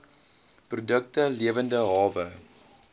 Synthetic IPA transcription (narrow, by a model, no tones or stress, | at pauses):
prodək̚təliəvəndəɦɑːvə